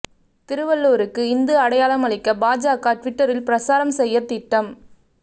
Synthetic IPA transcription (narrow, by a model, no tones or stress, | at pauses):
t̪ɪɾɯʋɐɭːoːɾɯkːɯɪnd̪ɯɐɽɐjaːlɐmɐɭɪkːɐbaːd͡ʒaːkaːʈʋɪʈːɐɾɪlpɪɾɐsaːɾɐmsɛjːɐt̪ɪʈːɐm